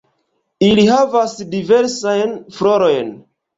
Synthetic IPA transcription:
ilihavasdive̞ɾsajnflo̞ɾo̞jn

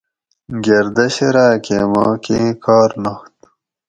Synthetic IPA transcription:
ɡeɾd̪ɐɕeɾaːkemɑ̰ːkekaːɾnaxt̪

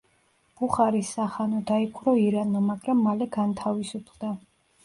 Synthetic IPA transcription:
ɡ̥uχaɾisːaχanɔd̪aikʰuɾɔiɾanamaɡɾamːalɛɡant̪ʰavisupʰlˠd̪a

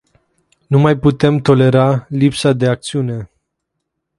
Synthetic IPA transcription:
numajput̪e̞mt̪o̞le̞ɾalipsad̪e̞ak̚t̪siune̞

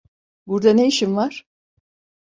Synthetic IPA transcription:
buɾd̪aneiʃimvaɾ̥

